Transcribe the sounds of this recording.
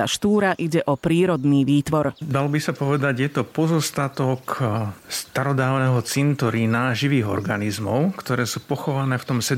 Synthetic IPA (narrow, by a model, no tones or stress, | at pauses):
a̰ʃt̪uːɾaʔiɟɛʔɔpɾiːɾɔd̪niːʋiːt̪ʋɔɾd̪alɔbisapɔʋɛd̪aɟjɛt̪ɔpɔzɔst̪at̪ɔkst̪aɾɔd̪aːʊnɛːɦɔt͡sint̪ɔɾiːnaʒiʋiːɣɔ̰ɾɡanizmɔ̰ʊkt̪ɔɾɛːsuːpɔxɔʋanɛːft̪ɔmsɛ